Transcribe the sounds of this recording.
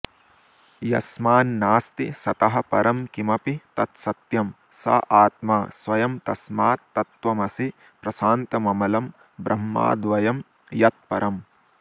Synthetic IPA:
jɐ̰smaːnːaːst̪isɐt̪ɐɦɐ̆pɐɾɐmkimɐpit̪ɐt̪sɐt̪jɐm | sɐ̰ʔaːt̪maːsʋɐjɐmt̪ɐsmaːt̪ːɐt̪ʋɐmɐsi | pɾɐsaːnt̪ɐmɐmɐlɐm | bɾʔɐmːa̰ːd̪ʋɐjɐm | jɐt̪̚pɐɾɐm

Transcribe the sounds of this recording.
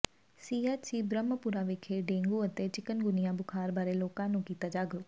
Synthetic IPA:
siːaːt͡ɕiːbɾəməpuɾaʋɪkʰeɖẽːŋɡuɐt̪et͡ɕɪkənɡʊnijãbʊkʰaːɾbaːɾeloːkãnũkiːt̪ad͡ʑaːɡʱɾoː

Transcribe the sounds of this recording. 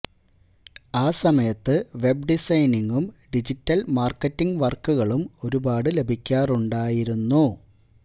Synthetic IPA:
aːsɐmɐjɐt̪ːɨʋe̞b̚ɖisɐjniŋɡumɖid͡ʑitːɐlmaːrkːɐtːiŋɡʋɐrkːuɣɐɭumo̞ɾubaːɽɨle̞bʱikʲːaːruɳɖaːjiɾunːu

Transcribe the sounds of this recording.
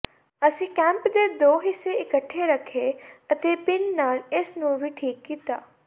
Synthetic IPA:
ɐsĩkɛ̃mpd̪ed̪oːɦiseɪkəʈʰːeɾɐkʰeɐt̪epɪnːaːlesnũbʱiʈʰiːkːit̪aː

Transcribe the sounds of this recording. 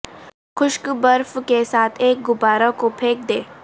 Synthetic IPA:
xʊʃkbəɾfkesaːt̪ʰeːk̚ɡʊbaːɾakopʰeːk̚d̪eː

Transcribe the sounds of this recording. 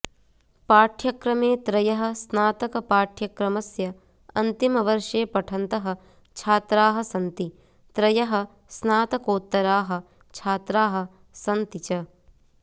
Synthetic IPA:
paːʈʰjɐkɾɐmeːt̪ɾɐjɐɦɐ̆snaːt̪ɐkɐpaːʈʰjɐkɾɐmɐsjɐ | ɐnt̪imɐʋɐɾʃeːpɐʈʰɐnt̪ɐɦɐ̆ | t͡ʃʰaːt̪ɾaːɦɐ̆sɐnt̪i | t̪ɾɐjɐɦɐ̆ | snaːt̪ɐkoːt̪ːɐɾaːɦɐ̆ | t͡ʃʰaːt̪ɾaːɦɐ̆ | sɐnt̪it͡ʃɐ

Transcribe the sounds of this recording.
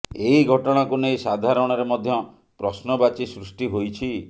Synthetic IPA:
eiɡʱɔʈɔɽ̃akunejsad̪ʱaɾɔɽ̃ɔɾemɔd̪ʱjɔ | pɾɔsnɔbat͡ʃisɾusʈiɦojt͡ʃʰi

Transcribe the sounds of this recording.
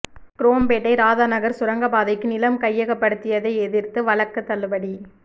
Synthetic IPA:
kɪɾoːmpeːʈːɐɪɾaːðaːnɐɣɐɾsʊɾɐŋɡɐbaːðɐɪkːɯnɪlɐmkɐjːɐɣɐpːɐɽɯt̪ːɪjɐðɐɪɛðɪrt̪ɯʋɐɭɐkːɯt̪ːɐlːɯpɐɽi

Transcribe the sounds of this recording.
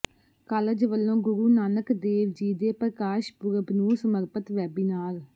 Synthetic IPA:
kaːləd͡ʒʋəlːõːɡʊɾuːnaːnəkd̪eːʋd͡ʒiːd̪eːpɾəkaːʃpʊɾəbnũːsəməɾpət̪ʋɛːbinaːɾ

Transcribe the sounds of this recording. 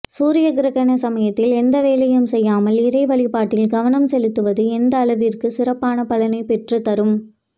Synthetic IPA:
suːɾɪjɐɡɪɾɐɣɐnɐsɐmɐjɐt̪ːɪlɛnd̪ɐʋeːlɐjɐmsɛjːaːmɐlɪɾɐɪʋɐɭɪpːaːʈːɪlɡɐʋɐnɐmsɛlɯt̪ːɯʋɐðɯɛnd̪ɐːɭɐʋirkɯsɪrɐpːaːnɐpɐlɐnɐɪpɛʈrɯt̪ɐɾɯm

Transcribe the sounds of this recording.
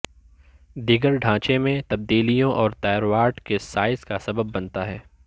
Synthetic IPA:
d̪iɡəɾɖʱãːt͡ʃemẽt̪ɐb̚d̪iːlijõʔɔːɾt̪aːɾwaːɾʈkesaːɪzkasɐbəbːɐnt̪aɦɛː

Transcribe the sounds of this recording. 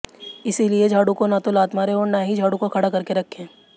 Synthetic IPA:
ɪsilied͡ʒʱaːɽukonat̪olaːt̪maːɾeɔːɾnaɦid͡ʒʱaːɽukokʰɐɽakɐɾkeɾɐkʰːẽː

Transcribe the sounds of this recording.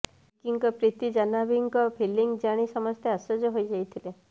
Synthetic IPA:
kiŋkɔpɾit̪id͡ʒanabiŋkɔpʰiliŋɡd͡ʒaɽ̃isɔmɔst̪ʰjeasɔd͡ʒɔɦojd͡ʒajt̪ʰile

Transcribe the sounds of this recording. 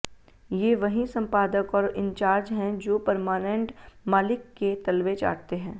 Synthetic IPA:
jeʋɐɦĩsɐ̃mpaːd̪əkɔːɾɪ̃ɲt͡ʃaːɾd͡ʒɦɛ̃d͡ʒoːpɐɾmaːnɛ̃ɳʈmaːlɪkːet̪ɐlʋet͡ʃa̰ːʈt̪eɦɛ̃ː

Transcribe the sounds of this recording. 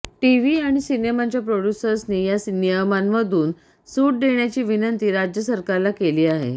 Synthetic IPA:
ʈiʋiːaɽ̃isinemat͡ɕjapɾoɽjusəɾsniːjasnijəmanməd̪ʱuːn | suːʈ̚d̪eɳ̃jat͡ɕiːʋinənt̪iːɾad͡ʑjəsəɾkaɾlakeliːaɦḛ

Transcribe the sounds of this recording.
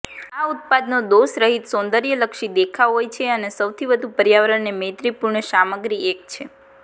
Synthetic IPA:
aut̪̚pad̪nod̪osɾəɦit̪sõnd̪əɾjələkʃid̪ekʰaɦojt͡ʃʰeənesəwt̪ʰiʋəd̪ʱupəɾjaʋəɾəɳnemet̪ɾipuɾɳəʃaməɡɾiek̚t͡ʃʰe

